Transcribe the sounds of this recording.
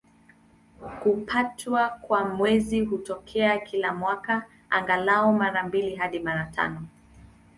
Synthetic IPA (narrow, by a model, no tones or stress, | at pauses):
hupʰatwakwamwɛziɦutɔkʰɛakʰilamwaka | aŋɡalaɔmaɾambiliɦaɗimaɾatʰa̰nɔ